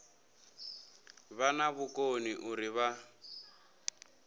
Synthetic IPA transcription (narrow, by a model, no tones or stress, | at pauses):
βanaβukoniʔuriβa